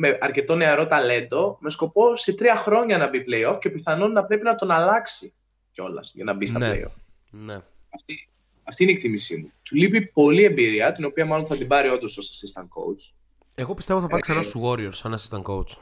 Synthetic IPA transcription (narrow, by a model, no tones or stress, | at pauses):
me̞ʔɐɾce̞t̪o̞ne̞ɐɾo̞t̪ɐle̞nd̪o̞mesko̞po̞se̞t̪ɾiɐxɾo̞ɲɐnɐbiplejo̞fce̞piθɐnonːɐpɾe̞pinɐt̪o̞nɐlɐksi | ceo̞̰lɐ̰sʝɐ̰nɐbisɐplḛio̰f | ne | ɐft̪i | ɐft̪iniekt̪imisḭmut̪ulipipo̞lie̞mbiɾiɐt̪ino̞piɐmɐlo̞nθɐt̪ibɐɾio̞nd̪o̞sosɐ̥sist̪ɐŋko̰wt͡s | e̞ɣo̞pist̪eoθɐpɐksɐnɐsuɣoɾioɾsɐnɐsi̥st̪ɐŋkout͡s